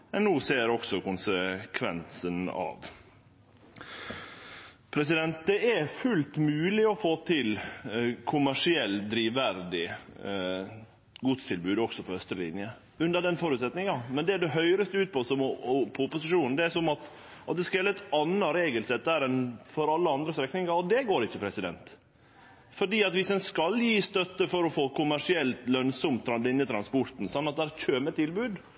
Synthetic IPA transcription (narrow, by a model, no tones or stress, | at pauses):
mɛnːuːseːɾɔksɔkʊnsəkʰʋɛ̰nsənɑ̰ʋ | pʰɾɛsɪd̪ɛnt̪̚d̪ɛæfʉlt̪mʉːlɪɔfoːt̪ʰɪlkʰʊmæʂɪɛlːd̪ɾiːʋæɾd̪ɪ | ɡʊt̪st̪ʰɪlbʉːd̪ɔksɔpʰɔhœst̪ɾəlɪ̰njə | ʉnd̪əd̪ɛnfɔːɾʉːt̪sɛt̪nɪŋɑmɛnd̪ɛd̪ɛɦœʏɾəst̪əʉːt̪̚pʰɔsɔmpʰɔʊpʊsɪʂuːnn̩d̪ɛæʂɔmɑt̪ | ɑt̪̚d̪ɛskɑʋɛːlɪt̪ːɑnːɑɾeːɡəlsɛt̪̚d̪æɾɛnfɔɾɑlːəɑnd̪ɾəst̪ɾɛkːnɪŋɑɔd̪ɛɡoːɾɪçːəpʰɾɛsɪd̪ɛ̰nt̪ | fɔɖiːɑt̪ʋɪsɛnskɑljiːst̪œt̪ːəfɔɾɔfoːkʊmæʂɪɛlt̪lœnsɔmt̪ʰːɾɑd̪ɪnːət̪ʰɾɑnspɔɾt̪n̩sɑnːɑt̪̚d̪æːɾçøːmɛt̪ɪlbʉːd̪